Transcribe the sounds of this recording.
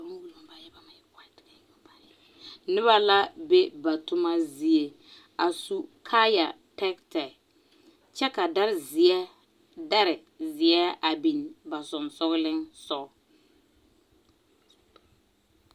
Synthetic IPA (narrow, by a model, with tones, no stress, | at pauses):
ba˦ŋ˦wu˨lma˨ba˨jɛ˦ba˨ma˨jka˨t | nɪ˦βa˦la˦be˦ba˨tʊ˦ma˦zi˨e˨ | a˨su˦kʰa˦ja̰˨ | tɛ˦ktɛ˨ | t͡ʃɛ˦ka˨da˦ɾɪ˨zɪ˨ɛ˦ | da˦ɾɪ˨ | zɪ˨ɛ˦a˨bi˨nba˨zʊ˨nsʊ˦ɣlɪ˦ŋsɔ˦